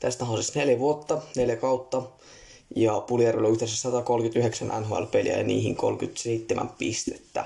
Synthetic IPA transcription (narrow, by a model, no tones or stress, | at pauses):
t̪æst̪æɦɑsesneljæʋuot̪ːɑneljækɑwt̪ːɑ | jɑpuliæroloyhd̪esæssɑt̪ɑkolkyt̪yɦeksænʔænɦoæ̰lpeljæ̰jɑnḭːhiŋko̰lkyt̪seit̪ːemæ̰mpist̪e̥t̪ːæ̰